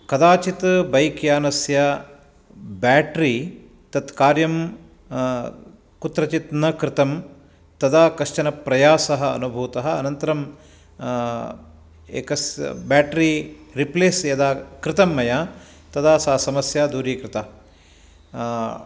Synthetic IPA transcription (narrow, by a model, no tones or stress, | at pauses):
kɐd̪aːt͡ʃit̪bɐjkjaːnɐsjɐ | baːʈɾi | t̪ɐt̪kaːɾjɐm | kut̪ɾɐt͡ʃit̪nɐkɾɪt̪ɐm | t̪ɐd̪ʰaːkɐʂt͡ʃɐnɐpɾɐjaːsɐɦɐɐ̰nubʱuːt̪ɐɦɐɐ̰nɐnt̪ɐɾɐm | ḛːkɐsbaːʈɾiɾipleːsjɐd̪aːkɾɪt̪ɐmːɐjaː | t̪ɐt̪ʰaːsɐːɐsɐmɐsjaːd̪uːɾiːkɾɪt̪aː